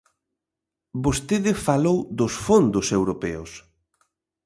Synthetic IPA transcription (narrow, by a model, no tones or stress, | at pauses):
bost̪eðɪfalowðʊsfond̪ʊsewɾopɛʊs